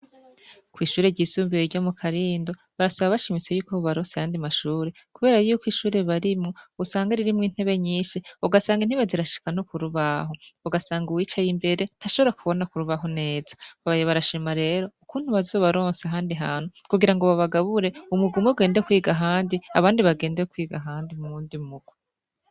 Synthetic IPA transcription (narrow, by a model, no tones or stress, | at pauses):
kwiːʃuːɾeɟiːsuːmbijeɾɟo̞mukʰaɾiːndo̞ | βaɾasaβaβaʃimit͡se̞juːkoββaɾoːnseajaːndimaʃuːɾe̞ | kuβe̞ːɾajuːkwiʃuːɾe̞βaɾimŋousaːŋɡaɾiɾimŋiːn̥he̞βe̞ɲiːnʃiuɡasaːŋɡin̥hiβaziɾaʃi̥kan̥okuɾuβaɦouɡasaːŋɡuwiːt͡ʃajimbe̞ɾe̞n̥haʃo̞βo̞ɾakʰuβo̞nakuɾuβaɦone̞ːz̥ḁβaβajeβaɾaʃimaɾe̞ːɾo̞ukuːn̥uβazo̞ːβaɾo̞ːnseaɦaːndiɦaːn̥hukuɡiɾaŋɡo̞βaβaɡaβuɾe̞umuɡumoɡe̞ːndekwiːɡaɦaːndia̰βaːndiβaɡe̞ːndekwiːɡaɦaːndimumuːndimuɡ̥we